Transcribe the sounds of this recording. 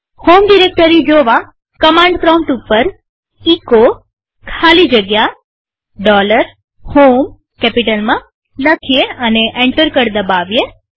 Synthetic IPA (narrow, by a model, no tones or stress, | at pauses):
homɖiɾek̚ʈəɾid͡ʒoʋa | kəmãɳɖkɾawɳʈupːəɾ | iko | kʰalid͡ʒəɡja | ɖɔləɾ | hom | kɛpiʈəlmã | ləkʰijeəneʔeɳʈəɾkəɾd̪əbaʋje